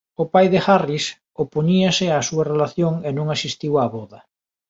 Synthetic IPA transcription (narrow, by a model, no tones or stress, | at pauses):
ʊpajðexaris | opoɲiasɪasuɐrelaθjoŋenõŋasist̪iwaːβɔðɐ